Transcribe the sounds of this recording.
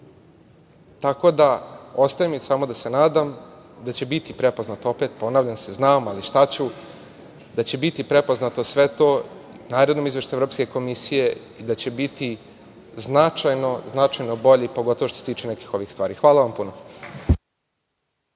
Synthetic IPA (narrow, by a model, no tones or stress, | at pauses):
t̪ako̞d̪ao̞st̪ajemisaːmo̞d̪ase̞naːd̪amd̪at͡ɕebit̪ipɾe̞po̞znat̪oopet̪po̞naːʋʎanseznaːmaliʃt̪at͡ɕu | d̪at͡ɕe̞bit̪ipɾepo̞znat̪o̞sʋe̞t̪o̞ː | naːɾod̪nomizʋʲe̞ʃt̪uevɾopske̞ko̞misije̞ | id̪at͡ɕe̞bit̪i | znat͡ʃajno̞znat͡ʂajnoboʎipo̞ɡo̞t̪o̞ʋo̞ʃt̪oset̪iːt͡ʃenekixo̞ʋixst̪ʋaːɾiːxʋaːlaʋampuno